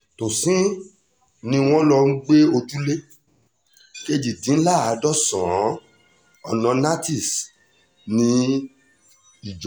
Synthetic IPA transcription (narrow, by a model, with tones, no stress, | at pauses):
to˨sĩ˦ | nĩ˧w̃ɔ̃˦lɔ˧ŋ̩˦ɡ͡be˦o˧d͡ʒu˦le˦ | ke˦d͡ʒi˨dĩ˨˦n̩˦la˦˨a˨˧˦dɔ˦sɔ̃˨˦ | ɔ˨nɔ̃˧na˦ti˦˨s | nĩ˧ | i˨d͡ʒɔ˨˦